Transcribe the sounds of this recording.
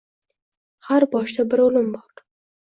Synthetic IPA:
xaɾbɑʃt̪abəɾolʊmbɑʈ

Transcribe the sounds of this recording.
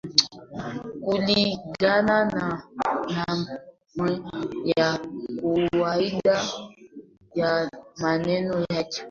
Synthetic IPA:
kuliɡanãnana | mwɛjakuwaida | jamanɛnɔjad͡ʒi

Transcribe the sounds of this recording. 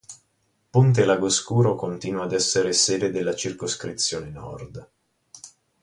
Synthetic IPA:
punt̪̬elaɡoskuːɾokont̪iːnwaːd̪ɛsːeɾeseːd̪ed̪elːat͡ʃirkoskɾit̪sːjoːnenɔ̰rd̪

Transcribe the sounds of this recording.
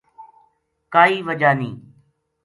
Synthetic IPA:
kaːiːʋəd͡ʒaːnĩː

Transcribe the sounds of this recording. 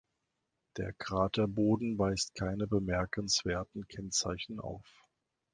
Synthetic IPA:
d̥ḛːɐkʁ̥aːtʰɐboːdn̩vaɪstkʰaɪnəbəmɛɐkʰənsv̥eːɐtn̩kʰɛnt͡saɪçn̩ʔa̰ʊf

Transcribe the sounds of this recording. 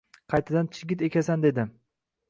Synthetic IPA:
qʰɑjt̪ʰad̪ant͡ʃʰɪɡʲɪt̪e̞kʲʰasand̪e̞d̪ɪ

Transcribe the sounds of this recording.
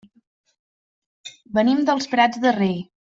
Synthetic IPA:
bənimd̪əlˠspɾad͡zðərej

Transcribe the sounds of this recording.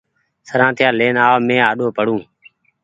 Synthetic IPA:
səɾãːt̪ʰɪjaːleːnaːʋmẽːaːɗoːpəɽũː

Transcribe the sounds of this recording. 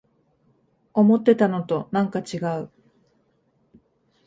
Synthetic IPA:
o̞mo̞t̪ːe̞t̪ano̞t̪o̞nãŋkat͡ɕiɡaɯ̟

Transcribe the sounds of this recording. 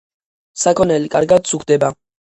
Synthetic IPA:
sakʰɔnɛlikʼa̰ɾɡad̪̚sukʰd̪ɛba

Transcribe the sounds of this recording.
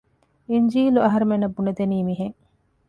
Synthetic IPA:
iɲd͡ʒiːluɐɦɐɾemenːɐbːunet̪eniːmiɦeŋ

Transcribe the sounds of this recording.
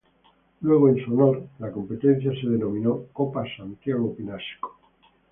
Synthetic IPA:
lwe̞ɣ̞oensuonoɾlako̞mpe̞t̪en̟θjase̞ð̞e̞no̞mĩnokopasant̪jaɣ̞opinasko̥

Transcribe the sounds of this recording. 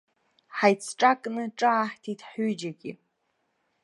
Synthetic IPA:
ħajt͡sʰʈ͡ʂʼakʼnɨʈ͡ʂʼaːħtʰitʰħyd͡ʒaɡʲḭ

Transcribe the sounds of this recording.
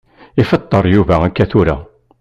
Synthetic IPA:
ifət̪ˤːəɾˤjuvæækːæθuɾæ̰

